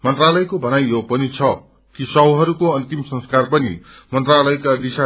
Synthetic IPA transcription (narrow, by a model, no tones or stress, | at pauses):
mʌnt̪ralʌjkobʱʌnajjopʌnit͡sʰʌ | kisʌɦwɦʌɾukoʌnt̪imsʌ̃ŋskarpʌnḭ | mʌnt̪ralʌjkad̪isa